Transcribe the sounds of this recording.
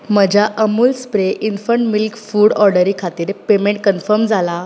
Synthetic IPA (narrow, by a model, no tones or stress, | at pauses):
məd͡ʑʱaʔəmuːlspɾeʔinfəɳʈmilkfuːɽɔɾɖəɾiːkʰat̪iːɾpemẽɳʈ̚kənfəɾmd͡zʱala